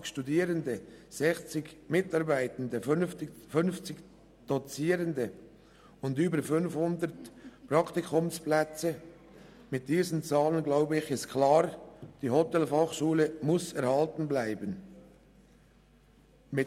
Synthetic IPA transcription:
ʃtudiːɾəndəz̥ɛxt͡sɪɡmɪtɑʁbæɪtəndəfʏnft͡sɪk | d̥ɔt͡siːɾəndə | ʊndyːbəɾfʏnfhʊndəɾtpɾɑkt̪ikʰʊmsplɛt͡sə | mɪt̚d̥iːzənt͡sɑːlənɡlaʊbəɪçɪst̚kʰlɑːɾd̥iːhɔtɛlfɑχʃuːləmʊsɛɾhɑltən̩blæɪbən | mɪ

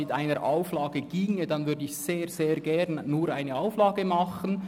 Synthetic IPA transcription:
ɪtaɪnəɾʔa̰ʊflɑːɡəɡ̥iːŋədɑnvʏɾdəɪçseːɾz̥eːɾɡɛʁnːuːɾaɪnəaʊflɑːɡəmɑχən

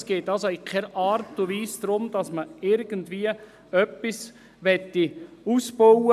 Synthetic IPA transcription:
sɡ̥eːtɑlsoɪkʰɛɾʔɑːɾtʊʋiːsd̥̪ɾʊmd̥ɑsməɪɾɡ̥əndʋiə | œpːis | ʋɛtːiuːsb̥owə

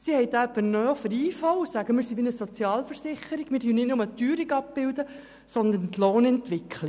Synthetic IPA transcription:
sihɛjt̪æpːənœːfəɾiːfɔwʊsæɡəmɪɾsibinəsɔt͡sjɑːlfəɾsɪχəɾiɡ̥mɪːɾdyːnɪtnʊmət̪yːɾiɡɑpb̥ɪwd̪ə | sɔnd̪ənt̪loːnɛnt̪ʋɪkʰli

